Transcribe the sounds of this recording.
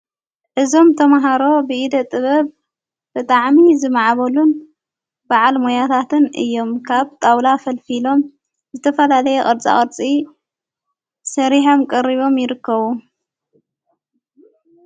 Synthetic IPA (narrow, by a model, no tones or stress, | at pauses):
ʔɨzo̞mt̪ʰɐmaɦaɾo̞bɨʔid̪ɐt̪ʼːɨβɐβ | bɨt̪ʼaʕmizɨmaʕβɐlun | baʕalmojat̪ʰat̪ʰɨnɨ̰jːo̞mkʰaβt̪ʼawlafɐlfilo̞m | zɨt̪ʰɐfɐlalɐjɛʔʼɐɾt͡sʼa̰χʼɐɾt͡sʼi | sɐɾiħomkʼɐɾiβo̞mjɪɾɨkːɐβu